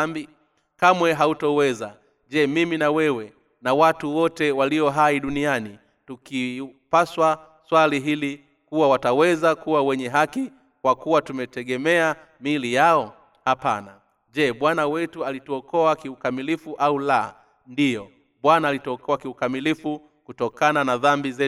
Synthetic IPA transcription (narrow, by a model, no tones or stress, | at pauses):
mbi | kamwɛɦautɔwɛza | ʄɛmiminawɛwɛ | nawatuwɔtɛwaliɔɦaiɗuniani | tukipaswa | swaliɦili | kuwawatawɛzakuwawɛɲɛɦaki | kwakuwatumɛtɛɡɛmɛa | milijaɔ | hapana | ʄɛɓwanawɛtualituɔkɔakiukamilifuʔaula | ndijɔ | ɓwanaːlitɔkɔakiukamilifu | kutɔkananaðambizɛ